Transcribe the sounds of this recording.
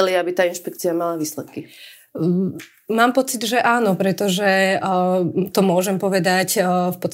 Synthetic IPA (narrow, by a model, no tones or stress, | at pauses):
liabit̪aːinʃpɛk̚t͡siamalaʋiːslɛt̪ki | maːmpɔt͡sid̪ʒɛʔaːnɔpɾɛt̪ɔʒɛ | t̪ɔmʊɔʒɛmpɔʋɛd̪acfpɔt̪t͡st̪